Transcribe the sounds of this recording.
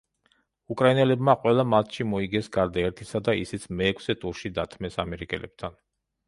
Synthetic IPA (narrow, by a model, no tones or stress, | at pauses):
ukʼɾainɛlɛbmaqʼwɛlˠamat̪ʰʃimɔiɡɛsɡaɾd̪aɛɾt̪ʰisad̪aisit̪sʰmɛːkʰsɛt̪ʼuɾʃid̪at̪ʰmɛsamɛɾikʼɛ̰lɛb̚t̪ʰan